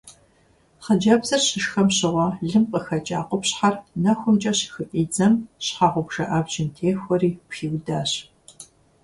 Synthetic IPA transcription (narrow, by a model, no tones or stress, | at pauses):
χɐd͡ʒɐbz̥ɐrɕɪʃxɐmɕɪʁʷɔɮɨmqʼəxɐt͡ʃʼaːqʷɔpɕħarnɐxʷʊmt͡ʃʼɐɕxɨʔʼiːd͡zɐmɕħaʁʷʊpʒɐʔaːbd͡ʒɪntʰeːxʷɔriːpxiːwdaːɕ